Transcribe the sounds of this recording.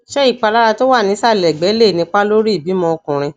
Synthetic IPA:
ʃɛ˦i˦˨k͡pa˧˨la˦ɾa˧to˦wa˦˨nĩ˨˦sa˦˨lɛ˨ɡ͡bɛ˨˦le˦˨nĩ˧k͡pa˦lo˦ɾi˦i˦˨bi˨˦mɔ̃˧o˧kũ˨ɾ̃ĩ˧

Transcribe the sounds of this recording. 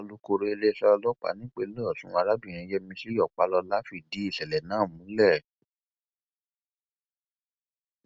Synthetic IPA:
ɔ˧lu˦ko˧ɾe˦e˧le˦˧sɛ˧ɔ˧lɔ˦k͡pa̰˨˦nĩ˦k͡pe˦lɔ˦ɔ˦˨sũ˦a˧ɾa˦bĩ˦˨ɾ̃ĩ˧˦jɛ˦mĩ˧si˦ɔ˦˨k͡pa˧˦lɔ˧la˦fi˦˨di˨˦i˦˨sɛ˨lɛ˨nãː˦˨mũ˨˦lɛ˦˨

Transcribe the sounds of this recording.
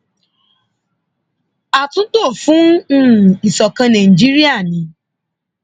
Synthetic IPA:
a˨tũ˦to˦˨fũ˦˨ | i˨sɔ˨kã˧nã˨ĩ˨d͡ʒi˦ɾi˦a˦˨nĩ˨˦

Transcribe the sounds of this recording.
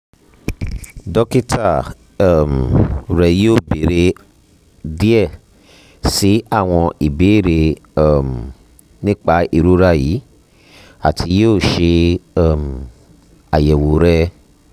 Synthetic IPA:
dɔ˦ki˦tʰa˦˨ | m˨ɾɛ˨joː˦˨be˨ɾe˧˦ | di˦ɛ˦˨ | si˨˦a˦˨w̃ɔ̃˧i˨be˨˦˨ɾe˧ɛ˨m˨ | nĩ˦k͡pa˧˦i˧˨ɾu˦ɾa˦ji˨˦ | a˨tʰi˧joː˦˨ʃe˧˦˨m̩˨ | a˨jɛ˨wo˨˦ɾɛ˦

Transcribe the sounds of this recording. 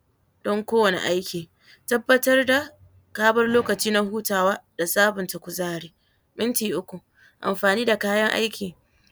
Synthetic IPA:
d̥ɔ˦ŋkʷoː˦wɐ˨nḛ˨ʔa˦jkʲʰiː˨ | tɐ˦bːɐ˦tɐ˦rda˨ | kaː˦bɐ˦rloː˦kɐ˨t͡ʃiː˦na˦ɦuː˦taː˨waː˦da˨saː˦bʊ˨ntɐ˨kʷʊ˨zaː˦ɽeː˦ | mɪ˦ntiː˨ʔʊ˦kʷu˨ | ʔa̰˨mɸaː˨niː˦da˨kaː˦jɐ˦ŋʔa̰˦jkʲiː˨

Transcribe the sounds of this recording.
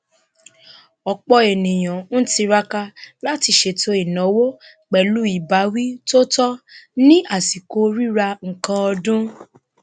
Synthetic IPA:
ɔ˨k͡pɔ˧e˨nĩ˨j̃ã˨n̩˦ti˧ɾa˦ka˧la˦ti˦˨ʃe˧˨tʰo˧˦i˦˨nɔ̃˨˦wo˦ | k͡pɛ˨lu˨˦i˨ba˨˦wi˦to˦tɔ˦nĩ˦a˦˨si˨ko˨˦ɾi˦ɾa˧ŋ̩˨kã˧ɔ˧dũ˦

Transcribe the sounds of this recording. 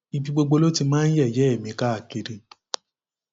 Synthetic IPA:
i˧bĩ˧ɡ͡bo˧ɡ͡bo˧lo˦ti˧mãː˦n̩˦jɛ˦˨jɛ˨˦ɛ˦˨mĩ˧ka˦a˧˨ke˧ɾe˧

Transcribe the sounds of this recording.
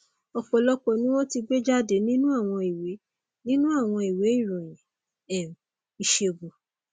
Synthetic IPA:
ɔ˧k͡pɔ˨lɔ˦k͡pɔ˧nĩ˦w̃ɔ̃˦ti˧ɡ͡be˦d͡ʒa˦de˨˦nĩ˦nũ˦a˦˨w̃ɔ̃˧i˨we˨˦ | nĩ˦nũ˦a˦˨w̃ɔ̃˧i˨we˨˦i˦˨ɾũ˨jĩ˨ | ɛ˨ | i˧˨ʃe˧˨bo˨

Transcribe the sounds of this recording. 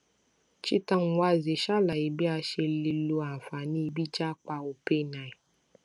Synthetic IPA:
t͡ʃi˦ta˧˦ŋ̩˨wa˧ze˨ʃa˦la˨i˨bi˦a˧ʃe˧li˧lu˧a˨fa˨nĩ˦˧˦bi˦t͡ʃa˦k͡pa˧o˨pe˦˨nã˨i˨

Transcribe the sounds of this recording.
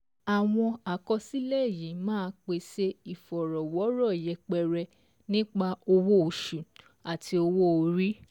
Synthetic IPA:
a˨w̃ɔ̃˧a˨kɔ˧si˦lɛ˦˨ji˨˦mãː˦˧k͡pe˧se˦i˨fɔ˨ɾɔ˨wɔ˨˦ɾɔ˦˨jɛ˨˧k͡pɛ˧ɾɛ˧ | nĩ˦k͡pa˦o˧wo˦o˨ʃu˨ | a˨tʰi˧o˧wo˦o˨˧ɾi˦

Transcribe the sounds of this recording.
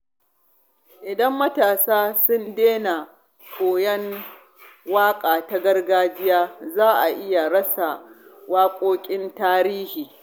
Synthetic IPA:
ʔɪ˨dɐ˦mːɐ˦taː˨saː˦sʊ˦ndeː˦na˨ | kʰoː˨jɐ˦n | waː˦kʼaː˨ta˦ɡɐ˦rɡaː˦d͡ʒɪ˦jaː˦zaː˦ʔa˨ʔɪ˦ja˨ɽɐ˦sa˨waː˦kʷʼoː˦kʲʼɪ˦ntaː˦ɾiː˦hiː˨

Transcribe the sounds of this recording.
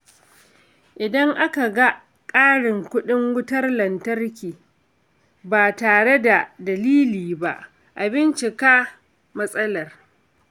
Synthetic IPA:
ʔɪ˨dɐ˦ŋʔa˦ka˨ɡa˦ | kʼaː˦ɽɪ˨ŋkʷʊ˦ɗɪ˦ŋwʊ˦tɐ˦rlɐ˨ntɐ˦rkʲiː˨ | baː˨taː˨ɽe˦da˨dɐ˨liː˦liː˨ba˦ʔ | ʔa˨bɪ˦nt͡ʃɪ˨kaː˦ | mɐ˦sʼɐ˦lɐ˨r

